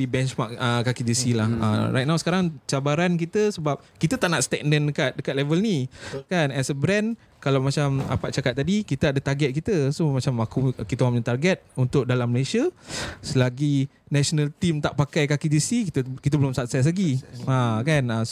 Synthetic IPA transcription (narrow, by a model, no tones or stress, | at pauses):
ibɛnt͡ʃmakəkːakid͡ʒisilaha̰ɾa̰jt̪̚nawsə̥kaɾaŋt͡ʃabaɾank̬it̪əsəbap̚kit̪ət̪aʔnaʔst̪ɛk̚ndəndəkat̪̚dəkat̪̚lɛvəlnikanɛsəbɾɛ̃n | kalawmat͡ʃama̰paʔ̚t͡ʃakat̪̚ːadikit̪əadət̪arɡɛt̪̚kit̪əsomat͡ʃamakukit̪əwaɲat̪arɡɛt̪̚unt̪ʊk̚dalamːəleʃiasəlaɡi | nɛsonalt̪imt̪aʔpakajkakid͡ʒisikit̪əkit̪əbəlʊmsap̚sɛs̬laɡiakana